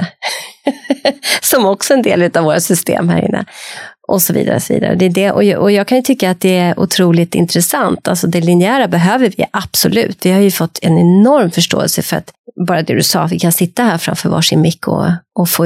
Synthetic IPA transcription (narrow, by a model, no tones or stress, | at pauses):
sɔmɔksɔɛnd̪eːlʉ̟ːt̪avoːɾasʏst̪ḛːmhæ̰ːɾɪ̰nːə̰ʔɔsɔvḭːd̪aɾəɔsɔvḭːd̪a̰ɾə̰d̪ɛːɖɛʔɔʔɔjɑːɡ̚kʰanjɵt̪ʰʏkːaːt̪̚d̪ɛæɾʔʊ̰t̪ʰɾuːlɪt̪ɪ̰nt̪ɾɛsant̪ʰa̰lsɔd̪ɛlɪnɪæːɾabɛɦøːvəɾvɪʔab̥sɔlʉ̟ːt̪vɪhaɾjɵfɔt̪ːɛnɛnɔɾmfœʂʈo̰ːɛ̰lsəfœɾa̰t̪bɑːɾad̪ɛd̪ɵsɑ̰ːt̪vɪkʰansɪt̪ːaɦæːɾfɾa̰mfœːɾvɑ̰ːʂɪnmɪkʰːʊ̰ɔfoː